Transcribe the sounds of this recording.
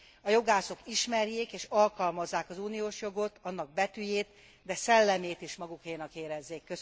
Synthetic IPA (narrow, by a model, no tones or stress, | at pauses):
ɒjo̞ɡaːso̞kiʃmɛrjeːkeːʃɒlkɒlmɒzːaːkɒzuːnijoːʃjo̞ɡo̞t̪ʰɒnːɒɡ̚bɛt̪yjeːt̪ | d̪ɛsɛlːɛmeːt̪iʃmɒɡukjenɒkeːɾɛzːeːkːøs